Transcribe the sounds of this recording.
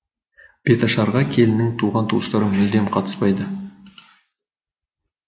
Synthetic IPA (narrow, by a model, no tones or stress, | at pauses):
b̥e̞t̪ɑʃɑɾʁɑkʲʰe̞lɪnɪŋt̪ʰuʁɑnt̪ʰuwəst̪ɑɾəmʏld̪e̞mqʰɑt̪ə̥spɑjd̪ə